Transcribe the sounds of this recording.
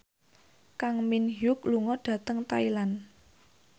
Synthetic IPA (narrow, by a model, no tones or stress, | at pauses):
kaŋminjʊkluŋɔɖ̥ä̤t̪əŋt̪ailan